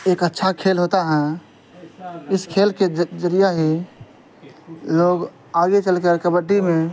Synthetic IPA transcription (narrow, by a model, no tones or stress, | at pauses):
eːkətːʃʰakʰelɦot̪aɦɛ̃ | ɪskʰelked͡ʒəɾijaɦi | loɡ | aɡet͡ʃəlkəɾkəbəɖːime